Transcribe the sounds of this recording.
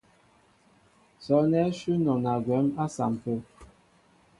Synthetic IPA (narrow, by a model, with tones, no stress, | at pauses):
sɔ˨˦nɛ˦ʃʉ˦nɔ˨na˨ɡwɛ˨˦ma˦sa̰˨m˨pə˦